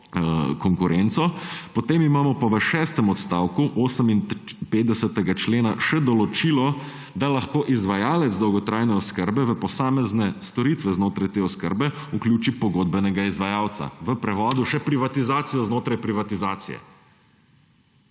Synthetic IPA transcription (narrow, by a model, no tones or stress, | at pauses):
kɔŋkuɾɛnt̪sɔpɔt̪eːmimaːmɔpaʋəʃɛːst̪ɛmɔt̪st̪aːwkuʔoːsəminpeːt̪d̪ɛsət̪ɛɡat͡ʃleːnaʃɛd̪ɔlɔt͡ʃilɔ | d̪alaxkoːʔizʋajaːlɛt̪zd̪ɔwɡɔt̪ɾaːjnɛɔskəɾbɛʋəpɔsaːmɛznɛst̪ɔɾit̪ʋɛznoːt̪ɾajt̪eːɔskə̰ɾbɛuklʲjuːt͡ʃipɔɡod̪̚bɛnɛɡaizʋajaːwt̪sa̰ʋəpɾɛʋɔːd̪uʃɛpɾiʋat̪izaːt̪sijɔznoːt̪ɾajpɾiʋat̪izaːt̪sḭjɛ̰